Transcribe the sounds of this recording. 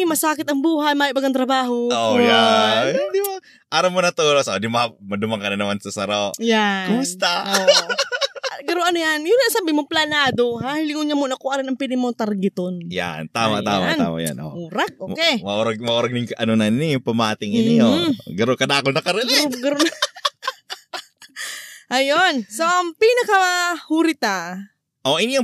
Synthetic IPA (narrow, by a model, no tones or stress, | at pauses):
mɐsaːkɪt̪ɐŋbuːhɐjmaːjɪbɐɡɐŋt̪ɾɐbaːɦooja | d̪ɪma | ʔaːɾɐmonɐt̪uːlosʔod̪ɪmamɐd̪ʊmaŋkɐnɐnɐmansɐsɐɾojakʊmʊst̪a | ɡɐɾoʔɐnojanjʊnɐŋsabimoŋplɐnaːd̪o̞hahɪlɪŋʊɲamʊnɐkoʔaɾɪnɐŋpilɪmoŋt̪ɐɾɡɪt̪onja̰nt̪aːma̰t̪a̰ːma̰na̰ːma̰ja̰nʔo̰uɾak̚ʔoːkɛmɐʔoɾɐɡ̚mɐʔoɾɐɡ̚nɪŋkɐʔɐnonɐnnipɐmaːt̪ɪŋɪɪoɡɐɾokɐd̪aːkonɐkɐɾɐlɡɡɐɾon | ʔɐjonsoʔɐŋpinɐkɐhuɾɪt̪a | ʔoʔɪnijo